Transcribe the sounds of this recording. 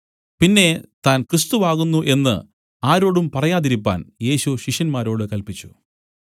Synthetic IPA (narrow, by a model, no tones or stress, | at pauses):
pinːe̞t̪aːnkrɨst̪uʋaːɣunːuʔe̞nːɨ̰ | aːɾo̞ːɽumpɐrɐjaːðiɾipːa̰ːnje̞ːɕuɕiʂjɐnmaːɾoːɽɨkɐlpit͡ɕːu̥